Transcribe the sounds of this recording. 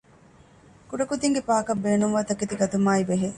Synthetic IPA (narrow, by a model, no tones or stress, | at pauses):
kuɖɐkud̪iŋɡepaːkɐbːeːnuŋʋaːt̪ɐket̪iɡɐt̪umaːibeɦe